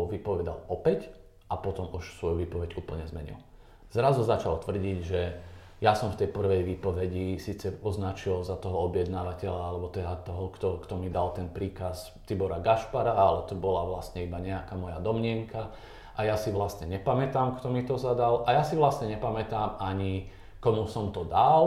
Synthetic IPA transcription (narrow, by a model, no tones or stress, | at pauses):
ʋipɔʋɛd̪a̰lɔpɛc | ʔapɔt̪ɔmuʃsʋɔjuʋiːpɔʋɛɟuːpl̩ɲɛzmɛɲḭl | z̥ɾazuzat͡ʃalt̪ʋr̩ɟiɟʒɛ | jasɔmft̪ɛjpr̩ʋɛjʋiːpɔʋɛɟisiːt͡sɛɔznat͡ʃilzat̪ɔɦɔɔbjɛd̪naːʋacɛʎaalɛbɔt̪ɛd̪at̪ɔɦɔkt̪ɔkt̪ɔmid̪alt̪ɛnpɾiːkas | t̪ibɔɾaɡaʃpaɾaalɛt̪ɔbɔlaʋlast̪ɲɛibaɲɛakamɔjad̪ɔmɲɪɛŋka | ʔajasiʋlast̪ɲɛɲɛpamɛt̪aːmkt̪ɔmit̪ɔzad̪alʔajasiʋlastɲɛɲɛpamɛt̪aːmaɲi | kɔmusɔmt̪ɔd̪al